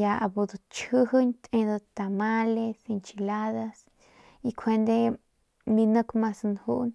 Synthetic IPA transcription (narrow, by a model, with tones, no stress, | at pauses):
ja˧a˧bu˧d̪o˧t͡ʃhɨ˦ɦɨ˦nt̪ẽ˧d̪ə˧t̪a˨ma˦le˧si˧nt͡ʃi˧la˦ða˧s | i˧kʰe˧nd̪e˦ | mi˧nə̃˦kmã˧snhu˦ʔn